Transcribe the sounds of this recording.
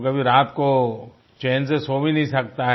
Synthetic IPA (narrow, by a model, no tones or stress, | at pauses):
kɐbʱiɾaːt̪ko | t͡ʃeːnsesoːminɐɦĩsɐk̚t̪aɦ